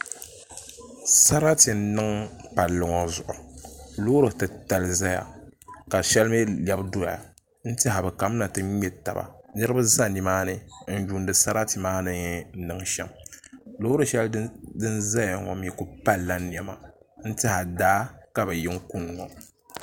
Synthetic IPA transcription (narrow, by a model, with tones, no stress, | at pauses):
sa˦ɾa˦ti˨n̩˦nɨ˦ŋpa˨lːɨ˨ŋɔ˨zʊ˨ʔʊ˨loː˦ɾɨ˨tɨ˨ta˨lɨ˦za˦ja̰˨ka˨ʃɛ˦lm˦ɛ˦ljɛ˦bdo˦a̰˨ | n̩˦tɪ˦a˨bɛ˨ka˨˦m˦na˨tɨ˦ɲɛ˦ta˨ba̰˨nɨ˦ɾɨ˦bɨ˦za˦ni˨maː˦nɨ˦n̩˦ju˦ndɨ˨sa˦ɾa˦ti˨maː˦nɨ˦ɲɛ˦n̩˦nɨ˦ŋʃɛ˦mlo˦ɾɨ˨ʃɛ˦ldɨ˦nza˦ja˨ŋɔ˨m˦ɛ˦ku˨pa˦lːa˦n˨ɛ˦ma˨n̩˦tɪ˦ha˨daː˦ka˨bɛ˨jɪ˦ŋ˦ku˦n˨ŋɔ˨